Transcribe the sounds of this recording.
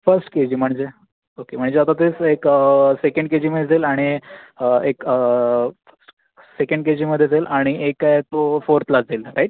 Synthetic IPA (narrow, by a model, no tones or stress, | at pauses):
fəɾsʈked͡ʑiːm̤əɳd͡ʑe | okem̤əɳ̃d͡ʑeat̪at̪esekəsekə̃ɳɖked͡ʑiːməed͡zelaɽ̃iəekə | əʈ | sekəɳɖked͡ʑiːməd̪ʱːjed͡zelʔaɽ̃iʔekːajt̪ofoɾt̪ʰlad͡zelɾaiʈ̚